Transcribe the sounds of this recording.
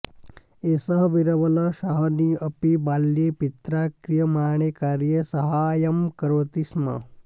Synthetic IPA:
esəɦʋiɾɐʋɐləʃaɦniəpibaljepit̪ɾakɾijəmaɳ̃ekaɾjesɐɦajɐmkɾot̪ismə̰

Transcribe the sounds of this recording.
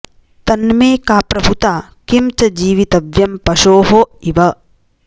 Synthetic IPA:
t̪ɐnmeːkaːpɾɐbʱut̪aː | kimt͡ʃɐd͡ʒiːʋit̪ɐʋjɐmpɐʃoːɦoiʋɐ

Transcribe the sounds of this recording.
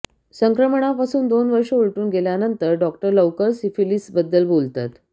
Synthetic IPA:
səŋkɾəməɳ̃apasuːnd̪onʋəɾʂəuɭʈuːnɡeljanənt̪əɾɖɔkʈəɾləwkəɾsifilisbəd̪ːəlbolt̪at̪

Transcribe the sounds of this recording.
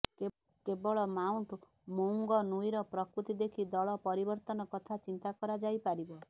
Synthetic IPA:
k | kebɔɭɔmauɳʈ | moŋɡɔnujɾɔpɾɔkɾut̪id̪ekʰid̪ɔɭɔpɔɾibɔɾt̪ɔnɔkɔt̪ʰat͡ʃint̪akɔɾad͡ʒajpaɾibɔ

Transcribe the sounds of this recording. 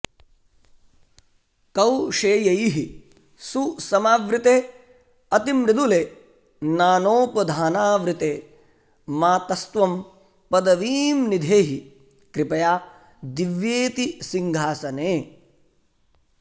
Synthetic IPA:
kɐwʂeːjɐjɦi | susɐmaːʋɾɪt̪eː | ɐt̪imɾɪd̪uleː | naːnoːpɐd̪ʱaːnaːʋɾɪt̪eː | maːt̪ɐst̪ʋɐm | pɐd̪ɐʋiːmnid̪ʱeːɦi | kɾɪpɐjaː | d̪iʋjeːt̪isiŋɡʱaːsɐneː

